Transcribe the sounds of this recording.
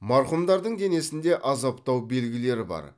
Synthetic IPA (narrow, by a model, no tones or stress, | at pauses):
mɑɾχʊmd̪ɑɾd̪əɴd̪ʲe̞ne̞sɪnd̪e̞ʔɑzɑpt̪ɑwbe̞lɡʲɪle̞ɾɪbɑ̰ɾ